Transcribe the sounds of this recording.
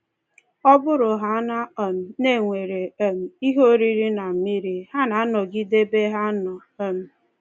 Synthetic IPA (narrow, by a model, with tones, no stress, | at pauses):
ɔ˦bʊ˦ɾʊ˨ɦa˨˦na˦˨m̩˨ne˦˨ŋʷe˨ɾe˨e˦m̩˨i˦ɦo˦ɾi˦ɾi˦na˨m̩˨˦mi˦ɾi˨ha˦na˨˦nɔ˨ɡi˦de˦be˦ɦa˦nɔ˨e˦m̩˨